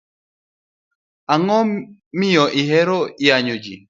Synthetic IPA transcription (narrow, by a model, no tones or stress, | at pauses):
aŋɔmijɔʔiɦɛɾɔjaɲud͡ʒḭ